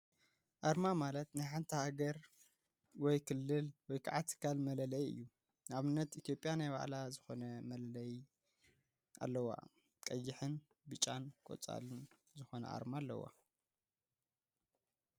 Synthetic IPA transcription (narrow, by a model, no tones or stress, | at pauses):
ʔaɾmamalɐt̪najħant̪ʰɐhaɡɐɾ | wɔjkʰɨlːɨlwɔjkʰaʕat̪ʰɨ̥kʰalmɐlɐlɐjɨ̰jːu | naβɨnːɐt̪it̪ʰjo̞pʼjanajba̰ʕlazɨxo̞nɐmɐlɐlɐj | ʔa̰lːɐwa̰ | kʼɐjːɪħɨn | bɨt͡ʃʼːankʼo̰t͡sʼa̰lɨnzɨxo̞nɐ̰ʔa̰ɾmaːlːɐ̰wa̰